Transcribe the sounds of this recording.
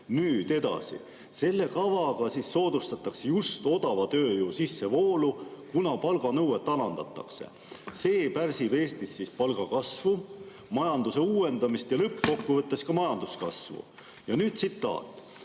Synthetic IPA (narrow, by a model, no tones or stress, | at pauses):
nyːd̪̥e̞d̪̥ɑ̰sḭ | se̞lːe̞kɑvɑɡ̥ɑsisːo̞ːd̪̥ust̪ɑt̪ːˑɑksejust̪o̞d̪̥ɑvɑt̪ø̞ːjusisːe̞vo̞ːlukunɑpɑlɡ̥ɑnɤwet̪ːɑlɑnd̪̥ɑ̰t̪ːˑɑ̰kse̞̰ | se̞ːpærsive̞ːst̪isːispɑlɡ̥ɑkɑsvu | mɑjɑnd̪use̞uːe̞nd̪ɑmist̪jɑlɤpːko̞kːuvɤt̪ːˑe̞skɑmɑjɑnd̪̥uskɑ̰svṵ | jɑnyːd̪̥̚sit̪ːɑ̰ːt̪ːˑ